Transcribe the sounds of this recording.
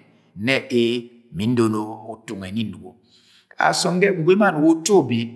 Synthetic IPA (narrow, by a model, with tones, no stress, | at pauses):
nɛ˦ʔe˦ | mi˨˦n˦do˨no˦u˦tu˨ŋɛ˨ni˦n˦du˨ɡo̰˨ | a̰˨sɔ˨ŋ˦ɡɛ˦˨ɡu˨ɡe˦ma˦˨nu˨wo˦to˦˨bi˨